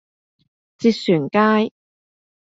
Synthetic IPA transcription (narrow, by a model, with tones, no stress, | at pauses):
t͡siː˧t̚syː˨˩nkaː˥j